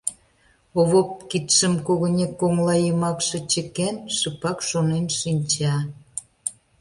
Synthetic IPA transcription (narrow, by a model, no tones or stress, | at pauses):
oβop̚kit̪ʃəmkoɣənʲekːoŋlɑjəmɑkʃĕt͡ɕə̆kenʃəpɑkʃonenʃinʲt͡ɕɑ